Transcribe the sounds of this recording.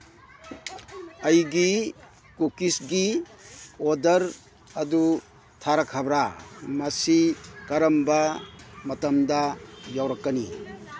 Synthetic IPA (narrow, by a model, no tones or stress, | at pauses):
ɐjɡi | kukisɡi | odɐɾ | ɐdu | tʰaɾakʰabɾamɐsikaɾɐmbamɐtɐmdajawɾɐkːɐnḭ